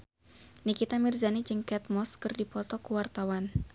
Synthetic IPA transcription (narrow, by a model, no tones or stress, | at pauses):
nikit̪amirzanid͡ʒɨŋkɛt̪̚mɔskɨrdipɔt̪ɔkuwart̪awan